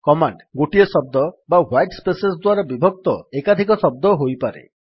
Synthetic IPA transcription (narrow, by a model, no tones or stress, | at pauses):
kɔmaɳɖɡoʈiɔsɔb̚d̪ɔbawajʈspesesd̪waɾabibʱɔk̚t̪ɔekad̪ʱikɔsɔb̚d̪ɔɦojpaɾḛ